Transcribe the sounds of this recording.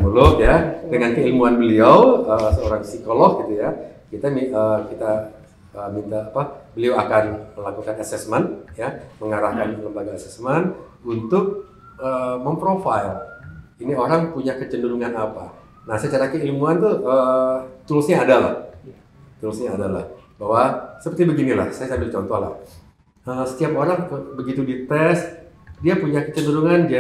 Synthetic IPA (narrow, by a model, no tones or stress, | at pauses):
məlʊkjadəŋankəilmuanbəliawəsəoɾaŋsikolɔk̚ɡit̪ujakit̪amiəkit̪a | əmint̪aːpabəliawakanməlakukanasɛsmənjaməŋaɾahkanləmbaɡaːsɛsmən | unt̪ʊk̚ | əməmpɾofajl | inioɾaŋpuɲakət͡ʃəndəɾuŋanapa̰ | nahsajt͡ʃaɾakəilmuant̪uət̪ulusɲaːdala̰h | t̪ulusɲaːdala̰hbaɦwasəpərt̪ibəɡinila̰hsajasambɪlt͡ʃɔnt̪ɔ̰ɦla̰h | əsə̥t̪iapoɾaŋəbəɡit̪udit̪ɛst̪diapuɲakət͡ʃəndəɾuŋandi